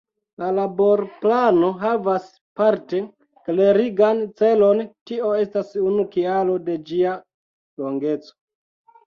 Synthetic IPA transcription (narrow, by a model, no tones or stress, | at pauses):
lalabo̞ɾplano̞ɦavas | paɾte̞ | kle̞ɾiɡant͡se̞lo̞ntio̞e̞stasunukialo̞de̞d͡ʒia | lo̞ŋɡe̞t͡so̥